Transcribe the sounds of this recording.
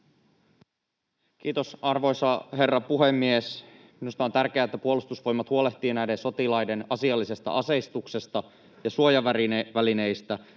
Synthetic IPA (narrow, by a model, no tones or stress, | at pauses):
k̟iːt̪o̞sɑrʋo̞jsɑɦe̞rːɑpuɦe̞mːies | minust̪ɑo̞nt̪ærk̟eæet̪ːæpuo̞lust̪usʋo̞jmɑt̪huo̞leht̪iːnæjdenso̞t̪ilɑjde̞nɑsiɑlːise̞st̪ɑ̰ʔɑse̞jst̪ukse̞st̪ɑ | jɑsuojɑʋæɾiʋæline̞jst̪æ